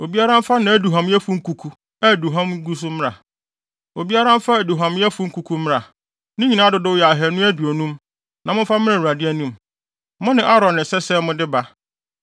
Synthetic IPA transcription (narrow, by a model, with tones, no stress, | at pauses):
o˨bi˦a˦ɾã˦m˦fa˦nã˨æ˦du˨ɦã˨mjɛ˦fu˦ŋ̩˦kʰu˨kʰu˨ | a˦˨du˨ɦã˦mɡu˦s̬ʊ˦mɪ̃˦a̰˨ | o˨bi˦a˦ɾã˦m˦fa˦æ˨du˨ɦã˨mjɛ˦fu˦ŋ̩˦kʰu˨kʰu˦mɪ̃˦ɾa˨ | nʊ̃˦ɲĩ˨nã˦dʊ˨dʊ˦wjɛ˨a˨ɦɛ˨nʊ̃˦æ˦du˨o˨nũ˦m | nã˨mʊ̃˦fa˦mɪ̃˦ã˨u˨ɾa˨dɪ˦æ˦nũ˦m | mʊ̃˦nɪ̃˨ʔa˦ɾɔ̃˨nːɪ̃˨sɛ˦sɛ˦mʊ̃˦dɪ˦ba˦